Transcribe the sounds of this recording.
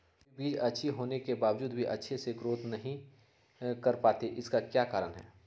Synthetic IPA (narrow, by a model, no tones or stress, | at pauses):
biːd͡ʒɐtːʃʰiɦoːnekebaːʋd͡ʒuːd̪bʱiʔɐ̰tːʃʰeseɡɾoːt̪nɐɦĩ | kɐɾpaːt̪eʔɪskakjaːkaːɾənɦɛ̰ː